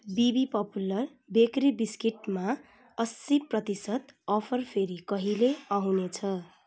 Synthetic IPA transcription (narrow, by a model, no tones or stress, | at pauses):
bibipʌpulʌr | bekribiskiʈma | ʌsːiprʌt̪isʌt̪ʌpʰʌrpʰeɾikʌɦileʌɦũnet͡sʰʌ